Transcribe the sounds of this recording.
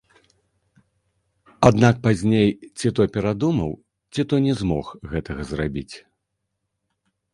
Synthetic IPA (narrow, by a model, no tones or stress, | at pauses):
ad̪nak̚pazʲnʲejt͡sʲit̪ɔjpʲɛɾad̪umɐw | t͡sʲit̪ɔjnʲɛzmɔxɣɛt̪ɐɣɐzrabʲit͡sʲ